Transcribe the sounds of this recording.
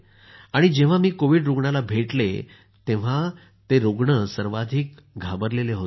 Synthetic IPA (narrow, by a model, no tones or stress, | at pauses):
aɽ̃id͡ʑeʋ̤amiːkoʋiɖɾuɡɳalabʱeʈle | t̪ẽʋ̤a | t̪eɾoɡɳəsəɾʋad̪ʱiːk | ɡʱabəɾleleɦot